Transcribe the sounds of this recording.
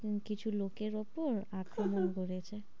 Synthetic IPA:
kit͡ɕʰulokeɾopoɾakɾomonkoɾet͡ɕʰe

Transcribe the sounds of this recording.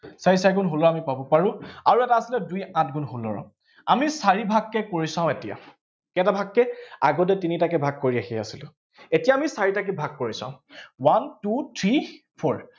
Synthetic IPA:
saɹisaɹikunɦolɔamipabɔpaɹʊ̃aɹuɛtaːsilɛdujãtɡunɦolɔ̰ɹɔ̰ | amisaɹibʱaɡːɛkoɹisãʊ̃etija̰ | kɛɛtabʱakːɛa̰ɡɔt̬ɛtinitakɛbʱaɡ̚koɹiaxia̰silʊ | etijaamisaɹitak̬ibʱaɡ̚koɹisã̰ʊ̃wantutʰɹi | pʰɔɹ

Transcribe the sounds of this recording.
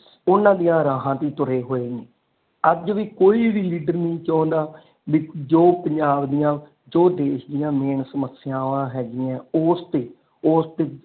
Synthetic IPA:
ʊnãːd̪ijãːɾaːɦãːt̪iːt̪ʊɾeːɦoːeːẽː | əd͡ʒʋiːkoːiːʋiːliːɖəɾnĩːt͡ʃãːnd̪aː | ʋiːd͡ʒoːpəɲd͡ʒaːbd̪ɪjãː | d͡ʒoːd̪eːʃd̪ɪjãːmeːɳsəməsɪjãːʋãːɦɛːɡɪjãːʊst̪eː | oːst̪eː

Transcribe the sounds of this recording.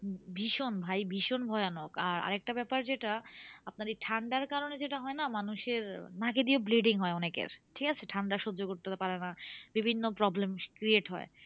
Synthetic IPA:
bʱiʃonbʱajbʱiʃonbʱɔeanokaɾa̰ɾek̚ʈabɛpaɾd͡ʑeʈaapnaɾeʈʰaɳɖaɾkaɾoned͡ʑeʈaɦɔenamanuʃeɾnaked̪iobleɖiŋɦɔeɔnekḛɾʈʰikat͡ɕʰeʈʰaɳɖaʃod͡ʑːokoɾt̪epaɾenabibʱinːopɾɔblemkɾieʈɦɔ̰e

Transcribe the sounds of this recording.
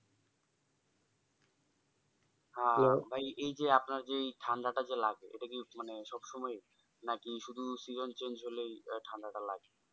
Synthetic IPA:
ɦãbʱajʔejd͡ʑeapnaɾd͡ʑejʈʰand̪aʈad͡ʑelaɡeḛʈakimaneʃɔbʃɔmɔe | nakiʃud̪ʱusizont͡ɕend͡ʑɦolejʈʰand̪aʈala̰ɡe

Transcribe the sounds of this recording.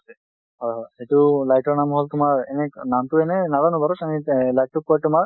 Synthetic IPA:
ɦɔjɦɔjxejtulajtɔɹnamɦɔltʊmaɹɛnɛnamtʊɛnɛnazanɔbaɾɔsanilajt̚tuk̚ːɔɹtʊmaɹ

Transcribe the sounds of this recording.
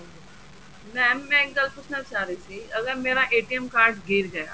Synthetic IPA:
mɛ̃ːmɛ̃ːɪɡəlpʊt͡ʃʰnaːt͡ʃaːɾiːsiːəɡəɾmeːɾaːʔeːʈiɛmkaːɾʈɡeːɾɡəja̰ː

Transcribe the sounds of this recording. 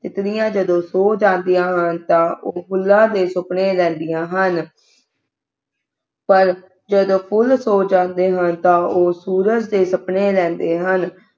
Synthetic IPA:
t̪ɪt̪ɽɪjãːd͡ʒəd̪õːsoːd͡ʒãːnd̪ijãːɦənt̪ãːʔoːpʰʊlːãːd̪eːsʊpɳeːlɛ̃ːnd̪ɪjãːɦən | pəɾ | d͡ʒəd̪õːpʰʊlsoːd͡ʒãːnd̪eːɦənt̪ãːʔoːsuːɾəd͡ʒd̪eːsəpɳeːlɛ̃ːnd̪eːɦən

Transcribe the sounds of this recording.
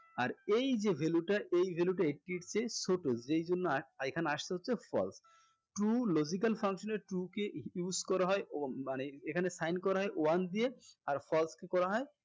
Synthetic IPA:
aɾejd͡ʑebʱeluʈaʔejbʱeluʈaekiʈt͡ɕesoʈod͡ʑejd͡ʑonːoaekʰaneaʃt̪eɦotːʰefʰɔ̰ls | ʈulod͡ʑik̬alfʰaŋkʃoneʈukejuskɔɾaɦɔemaneekʰanesajnkɔɾaɦɔeʔoand̪ieaɾfʰɔlskekɔɾaɦɔe

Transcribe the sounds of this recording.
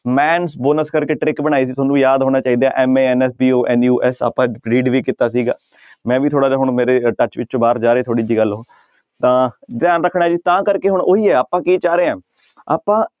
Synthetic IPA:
mɛːnsboːnəskəɾkeːʈɾɪkbənaːiːs̬iːt̪ʰoːnũːjaːd̪ɦoːɽ̃ãːt͡ʃaːiːd̪eaːʔɛːmeːɛnɛːsbiːoːʔɛːnjuːʔɛsa̰ːpːãːɾiːɖʋiːkit̪aːsiːɡa̰ː | mɛ̃ːʋiːt̪ʰoːɽaːd͡ʒaːɦʊɳmeːɾeːʈət͡ʃʋɪt͡ʃt͡ʃõːbaːɾd͡ʒaːɾeːt̪ʰoːɽiːd͡ʒiːɡəlɦoː | t̪ãːd̪ɪjaːnɾəkʰːɽaːd͡ʒiːt̪ãːkəɾkeːɦʊɳoːɦiːɛːaːpãːkiːt͡ʃaːɾeːãː | a̰ːpãː

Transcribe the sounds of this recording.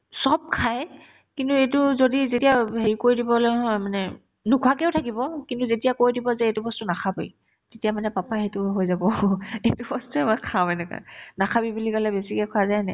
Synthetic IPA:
sɔb̚kʰaj | kintuejtʊzodizetijaɦeɹikoɹidibɔlojɦɔmanɛ | nukʰwakɛʊtʰakibɔkintuzetijakoɹidibɔzɛetubɔstʊnakʰabḭj | tetiamanɛpapaɦetuɦojzabɔetubɔstuɛmakʰaɛnɛka̰nakʰabibulikalɛbesikɛkʰʊazajnɛ

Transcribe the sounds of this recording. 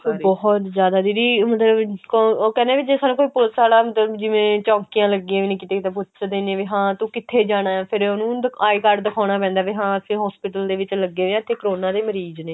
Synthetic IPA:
sobɔːɦɔt̪zjaːd̪aːd̪iːɾiːmət̪ləbkooːkɛːneːʋiːd͡ʒesaːnũːkoːiːpʊlsaːlaːmət̪ləbd͡ʒɪʋẽːt͡ʃɔ̃ːŋkijãːləɡiãːʋiːnĩːkɪt̪eːkɪt̪eːpʊtt͡ʃd̪eːneʋiːɦãːt̪ũːkɪt̪ʰeːd͡ʒaːɽ̃aːɛ̃ːpʰɪɾʊnũːd̪aːikəɖd̪əkʰaːɽ̃aːpɛ̃ːnd̪aːʋiːɦãːəsĩːɦɔːspɪːʈəld̪eːʋɪt͡ʃləɡːeːʋẽt̪ʰːeːkəɾoːnaːd̪eːməɾiːd͡ʒneː

